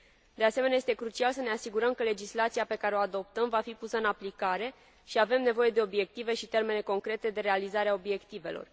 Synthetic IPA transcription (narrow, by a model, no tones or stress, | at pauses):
d̪e̞ase̞menaje̞st̪e̞kɾut͡ʃialsəne̞asiɡuɾəmkəle̞d͡ʒislat̪sijape̞kaɾeoad̪o̞p̚t̪əmvafipusəɨnaplikaɾe̞ | ʃiave̞mne̞vo̞je̞d̪e̞o̞bje̞k̚t̪ive̞ʃit̪e̞rme̞ne̞ko̞ŋkɾe̞t̪e̞d̪e̞ɾealizaɾeao̞bje̞kt̪ive̞̰lo̰r